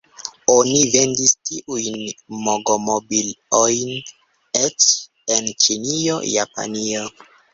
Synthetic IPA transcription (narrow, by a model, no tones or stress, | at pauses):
onive̞ndistiʔujnmoɡomobilojn | et͡ʃ | ent͡ʃinio̞̰japa̰nio